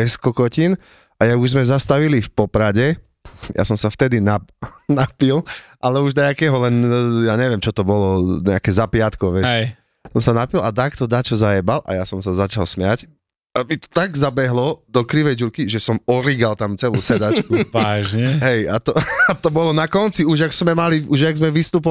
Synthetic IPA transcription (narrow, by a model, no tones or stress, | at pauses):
ɛskɔkɔcin | ʔajaɡuʒzmɛzast̪aʋilifpɔpɾaɟɛ | ja̰sɔmsaft̪ɛd̪inanapilʔalɛuʒd̪aakɛːɦɔlɛnjaɲɛʋɪɛmt͡ʃɔt̪ɔbɔlɔɲɛakɛzapɪat̪kɔʋɛt͡ʃɛj | sɔmsanapilat̪akt̪ɔd̪at͡ʃɔzajɛbalʔa̰jasɔmsazat͡ʃalsmɪjac | amit̪ɔ̥t̪aɡzabɛɦlɔd̪ɔkɾiʋɛjd͡ʒuɾkiʒɛsɔmɔɾiɡalt̪amt͡sɛluːsɛd̪at͡ʃkuʋaʒɲɛɦɛjat̪ɔat̪ɔbɔlɔnakɔnt͡siuʒaɡz̥mɛmaliʔuʒaɡzmɛʋist̪uːp̬ɔ